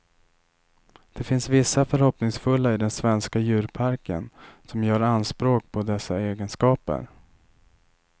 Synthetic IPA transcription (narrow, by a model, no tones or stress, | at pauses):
d̪̥ɛfɪnsvɪsːafœɾhɔpnɪŋsfɵlːaɪd̪ɛnsvɛnskajʉ̟ːɾpʰaɾkə̰nsɔmjœːɾanspɾoːk̚pʰɔd̪ɛsːaeːɡənskɑːpə̰ɾ